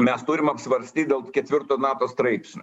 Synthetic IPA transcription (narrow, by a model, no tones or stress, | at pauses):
mʲɛst̪ʊɾʲɪmɐpʲsʲʋɐɾʲsʲt̪ʲiːt̪̚ʲd̪ʲeːlˠkʲɛt̪ʲʋʲɪɾt̪oːnɑːt̪oːst̪ɾɐɪpʲsʲnʲ